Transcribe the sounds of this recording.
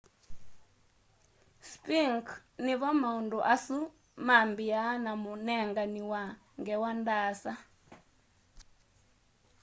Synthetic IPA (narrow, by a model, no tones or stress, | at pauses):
spiŋkniβɔmaunduʔasu | mambijanamunɛŋɡaniwa | ŋɡɛwandasa